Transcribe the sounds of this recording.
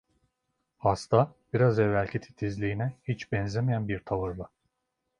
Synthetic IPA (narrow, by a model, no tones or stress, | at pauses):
hast̪ʰab̥iɾazɛvːælʲcʰit̪ʰi̥t̪ʰizlʲiːinɛhit͡ʃbɛnzemijænbiɾt̪ʰavɯɾlˠɯ